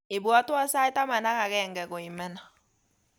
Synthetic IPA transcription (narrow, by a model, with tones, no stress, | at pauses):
e˨bwa˦twa˦sa˦e˦ta˦ma˨na˦ka˨ɣɛ˦˨ŋɡɛ˨ɣo˨i˨mɛ˦na˨